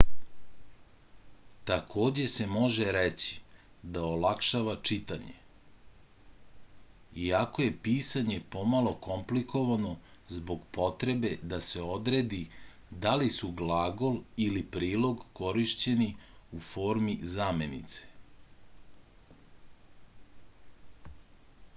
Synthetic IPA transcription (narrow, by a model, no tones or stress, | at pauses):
t̪akʰo̞ːd͡ʑe̞se̞mo̞ʒeɾet͡ɕi̥ | d̪aolakʃaʋat͡ʂit̪aɲḛ | iako̞je̞piːsaɲe̞po̞malˠo̞ko̞mplikʰo̞ʋano̞zbo̞ɡpo̞t̪ɾe̞be̞d̪ase̞o̞d̪ɾed̪i | d̪alisuɡlaːɡo̞lilipɾiːlˠo̞ɡko̞ɾiʃt͡ɕe̞niufo̞ːɾmizaːme̞nḭt̪se̥